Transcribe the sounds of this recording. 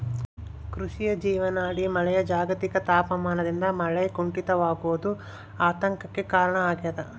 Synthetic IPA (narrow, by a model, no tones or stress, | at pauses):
kɾuʂijɐd͡ʒiːʋɐnaːɽimɐɭɛjɐd͡ʒaːɡɐt̪ikɐt̪aːpɐmaːnɐd̪ind̪ɐmɐɭɛjkuɳʈit̪ɐʋaːɡuʋɐd̪u | aːt̪ɐŋkɐkːekaːɾɐɳɐaːɡijɐd̪ɐ